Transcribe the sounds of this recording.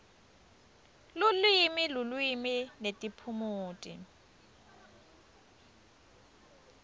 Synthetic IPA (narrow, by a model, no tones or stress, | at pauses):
lʊlwimɪlʊlwimɪnetʼipʰʊmʊːtʼɪ̰